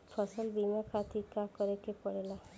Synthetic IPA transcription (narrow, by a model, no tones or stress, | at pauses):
pʰɔsɔlbimakʰat̪ikakɔɾekepɔɽela